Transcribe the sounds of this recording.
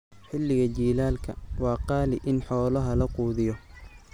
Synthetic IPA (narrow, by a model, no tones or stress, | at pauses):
ħɪlːɪɣɐt͡ʃiːlaːlkʰɐ̰wɑːqɑːlɪʔɪnħɔːlɐɦɐlɐquːðɪjɔ